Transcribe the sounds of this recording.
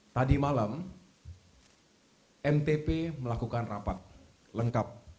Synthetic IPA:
t̪adimalam | ɛmt̪epeməlakukanrapat̪̚ | ləŋkap̚

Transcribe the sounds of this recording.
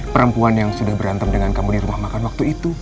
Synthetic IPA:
pəɾəmpuanjaŋsudahbəɾant̪əmdəŋankamudiɾumahmakanwak̚t̪uit̪u

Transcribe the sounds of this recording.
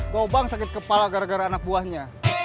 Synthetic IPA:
ɡobaŋsakɪt̪̚kəpalaɡaɾaɡaɾaːnak̚buahɲa

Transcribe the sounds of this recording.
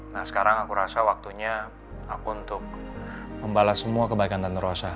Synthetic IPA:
nahsə̥kaɾaŋakuɾasawak̚t̪uɲa | akuunt̪ʊk̚məmbalasəmuakəbaikant̪anəɾasa

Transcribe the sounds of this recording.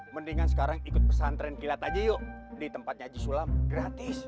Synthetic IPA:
məndiŋansə̥kaɾaŋikʊt̪̚pəsant̪ɾɛnkilat̪ad͡ʒajoʔdit̪əmpat̪̚ɲad͡ʒisulamɡɾat̪ɪs

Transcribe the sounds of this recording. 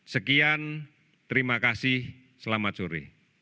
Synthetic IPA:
səkian | t̪əɾimakasɪh | səlamḁt͡ʃoɾḛ

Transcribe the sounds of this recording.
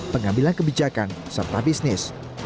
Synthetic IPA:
pəŋambilankəbid͡ʒakan | sərt̪a̰bisnɪs

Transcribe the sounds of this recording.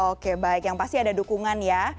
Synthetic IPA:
okebaɪk̚jaŋpast̪iadadukuŋanja

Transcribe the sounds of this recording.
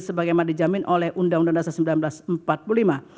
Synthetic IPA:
səbaɡajmanadid͡ʒamɪnʔolɛhundaŋundaŋdas̬alsəmbilanblasmpat̪̚pululima

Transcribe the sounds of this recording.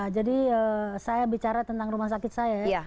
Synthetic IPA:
d͡ʒadiəsajabit͡ʃaɾat̪ənt̪aŋrumahs̬akɪt̪̚sajaj

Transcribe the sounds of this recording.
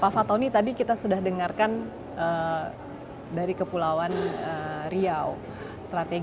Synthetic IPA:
pafat̪onit̪adikit̪asudahdəŋarkan | ʔə | daɾikəpulawanəɾiaw | st̪ɾat̪e

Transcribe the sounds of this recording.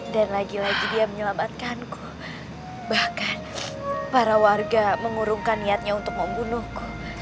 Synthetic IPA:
danlaɡilaɡidiaməɲəlamat̪̚kanku̥ | bahkan | paɾawarɡaməŋuɾuŋkanliat̪̚ɲaunt̪ʊk̚məmbunʊhku

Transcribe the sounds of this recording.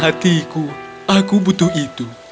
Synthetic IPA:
ɦat̪iku | akubut̪uʔit̪u

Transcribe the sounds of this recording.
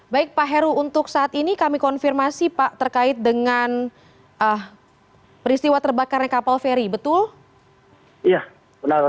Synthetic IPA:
baɪk̚paʔɦeɾuːnt̪ʊksaːt̪inikamikɔnfirmasipaʔt̪ərkaɪt̪̚dəŋan | ʔəh | pɾist̪iwat̪ərbakarɲakapalfeɾibət̪ʊl | ijah | bənaɾ

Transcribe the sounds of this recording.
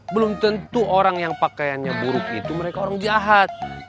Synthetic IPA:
bəlʊmt̪ənt̪uoɾaŋjaŋpakajanɲabuɾʊk̚ḭt̪uməɾekaoɾaŋd͡ʒaɦat̪̚

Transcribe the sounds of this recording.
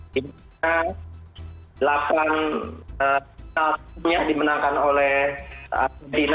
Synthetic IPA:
dim | a | lapanənaltumɲadibənaŋkanolɛha̰dina

